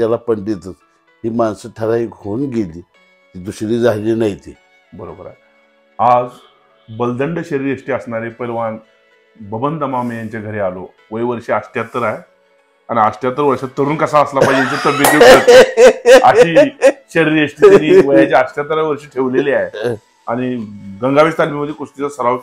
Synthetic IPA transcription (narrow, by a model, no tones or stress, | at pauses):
tjalapəɳɖit̪ət͡s | ɦiːmansəʈʰəɾaɦiːɡʱonɡeliː | t̪id̪uɕɾiːd͡zaɦliːnajt̪i | bəɾo̰bəɾa̰ | ad͡z | bəld̪əɳɖəɕəɾiɾəʂʈiːəsɳaɾepəɾʋan | bəbənd̪əmamejaɲt͡ɕaɡʱəɾealo̰ | ʋəeʋəɾɕiːasʈjat̪əɾaɦe | añiasʈjat̪əɾʋəɾʂat̪ːəɾuːnkəsaəslapad͡ʑjaɲt͡ɕat̪əbjət̪eət̪eəɕiːɕəɾiɾəʂʈiːtiniːʋəjat͡ɕeəsʈjat̪̬əɾaʋəɾɕiːʈʰeʋleleaɦe | añiɡəŋɡaʋest̪almiməd̪ʱːjekoʂʈit͡sasəɾaʋ